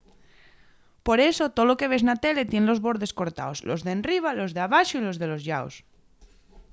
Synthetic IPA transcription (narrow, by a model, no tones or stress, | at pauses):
po̞ɾe̞sot̪oloke̞β̞e̞znat̪e̞le̞t̪je̞nlo̞zβo̞ɾðe̞sko̞ɾt̪a̰oslozðenriβ̞alo̞zðaβ̞aʃoilo̞zðelo̞zʎao̰s